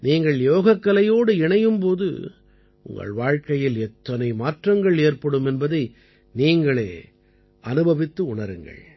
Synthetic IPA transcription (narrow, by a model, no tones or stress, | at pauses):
niːŋɡɐɭjoːɣɐkːɐlɐjoːɽɯɪɳɐjɯmpoːðɯ̰ | ʊ̰ŋɡɐ̰ɭʋaːɻkɐjɪlɛt̪ːɐnɐɪmaːʈrɐŋɡɐɭeːɾpɐɽɯmɛnbɐðɐɪ | niːŋɡɐɭḛː | ɐnɯbɐʋɪt̪ːɯʊɳɐɾɯŋɡɐ̰ɭ